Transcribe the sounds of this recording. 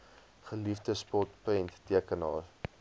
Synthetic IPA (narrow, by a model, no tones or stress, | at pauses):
χəlifdəspɔtpəntːiəkənɑːr